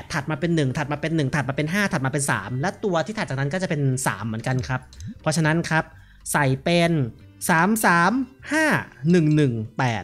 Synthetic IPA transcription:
t̪ʰːa˨˩t̪̚maː˧pe˧nːɯ˨˩ŋt̪ʰa˨˩maː˧pe˧nːɯ˨˩ŋt̪ʰa˨˩t̪̚maː˧pe˧nɦaː˥˩t̪ʰa˨˩maː˧pe˧nsa̰ː˩˦mlɛ˦˥wt̪u˧ɐt̪ʰiː˥˩a˨˩t̪̚t͡ɕːa˨˩na˦˥nkɔː˥˩t͡ɕa˨˩pe˧nsa̰ː˩˦mːɯ˩˦ənka˧nkʰɾa˦˥p̚pʰːɾɔ˦˥t͡ɕʰa˧na˦˥nkʰɾa˦˥p̚ | sa˨˩jpe˧n | saː˩˦msaː˩˦mhaː˥˩nɯ˨˩ŋnɯ˨˩ŋpɛː˨˩t̪̚

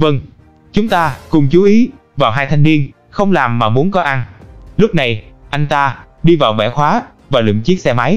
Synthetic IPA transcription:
və˧ŋ | t͡ɕʊ˨˦ŋ͡mt̪aː˧kʊ˨˩ŋ͡mt͡ɕu˨˦ʔi˨˦ | vaː˨˩wɦaː˧jt̪ʰa˧jŋvi˧ən | xə˧wŋ͡mlaː˨˩mːaː˨˩mu˨˦ənkɔ˨˦ʔa˧nlʊ˦˥k͡p̚na˨˩jʔa˧jŋ̟t̪aː˧ɗi˧vaː˨˩wvɛ̰˧˩xwaː˨˦ | vaː˨˩lḭ˧˨ŋt͡ɕi˦˥k̚sɛ˧ma˨˦j

